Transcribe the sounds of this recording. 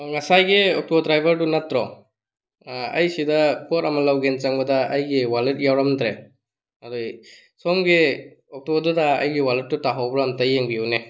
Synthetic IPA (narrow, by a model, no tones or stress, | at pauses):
ŋasajɡeɔk̚tɔbdɾajbʱaɾtunatɾɔ | a̰jsidakɔɾɐmalawɡent͡ʃaŋbadaɐjɡewalet̚jawɾamtɾe | adɔj | sɔmɡeɔk̚tɔbɔɾdɔda̰ːjɡewalet̚ːutaɦawbɾamtajeŋbiuwne